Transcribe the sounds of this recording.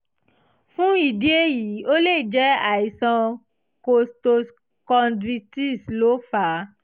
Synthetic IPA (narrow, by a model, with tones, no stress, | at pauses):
fũ˦i˨di˦e˦ji˨˦o˦le˦˨d͡ʒɛ˦a˨i˨sã˧ | ko˧sto˧s | kɔ˧ndɾi˧ti˦slo˨˦fa˨˦